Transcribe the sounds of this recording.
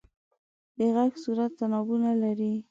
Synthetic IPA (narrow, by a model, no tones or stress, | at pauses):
d̪̥əɣaɡsuɾat̪ːanɑbunalaɾi